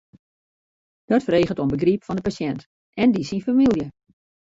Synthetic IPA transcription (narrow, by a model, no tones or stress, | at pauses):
d̥ɔtfəreːɣətonbəɡripfɔndəpasɛnt | ɛndisinfamilˠjə